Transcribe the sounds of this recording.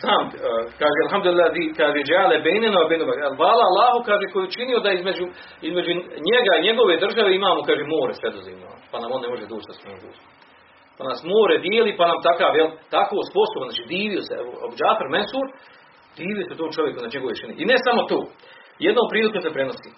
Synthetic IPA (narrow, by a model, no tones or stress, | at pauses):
zaːmkaːʒealɦamd̪ulilːaːd̪ikaːʒejd͡ʒaːlebejnenoʋabejnomalʋaːlaalːaːɦukaːʒeːko̞jet͡ʃinijod̪aizme̞d͡ʑu | izme̞d͡ʒuɲeɡaiɲe̞ɡo̞ʋed̪r̩ʒaʋe̞imaːmokaːʒemoːɾesʋed̪ozḭːmno̰panamo̞nːemo̞ʒed̪oːt͡ʃd̪asmemo̰mɡṵːs | panaːsmoːɾed̪jeːlipanamt̪akaːʋjelt̪akoːspo̞sobnaːt͡ʃiːd̪iːʋioseoobd͡ʒaːfaɾmensuːɾ | d̪iːʋijoseut̪oːmt͡ʃo̞ʋjekuznaːiɲeɡooeʃiniʔinesamo̞t̪o̰ː | jed̪noːmpɾiːlˠikosepɾeno̞siː